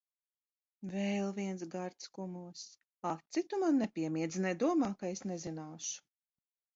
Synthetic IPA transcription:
vɛlˠviɛnsɡaɾt̪skumuɔs | at̪sit̪umanːɛpʲiɛmiɛd̪zinɛjd̪uɔmaːkaesnɛzinaːʃu̥

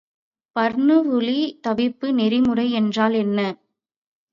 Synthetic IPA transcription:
pɐɾnɯʋʊɭit̪ɐbɪpːɯnɛɾɪmɯrɐɪɛndraːlɛnːɐ

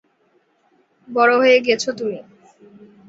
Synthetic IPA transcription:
bɔɽoɦojeɡiet͡ɕʰot̪umi

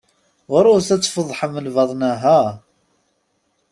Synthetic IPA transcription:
ʊɾˤʊθæt͡sːfəðˤːħəməlvɑðˤnæɦæ

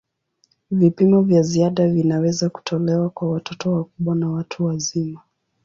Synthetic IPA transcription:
vipimɔvjaziaɗavinawɛzaku̥tʰɔlɛwakwawatʰɔtɔwakuɓwanawatʰuwazima

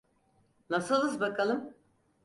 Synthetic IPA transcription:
nasɯlˠɯzbakʰalˠɯm

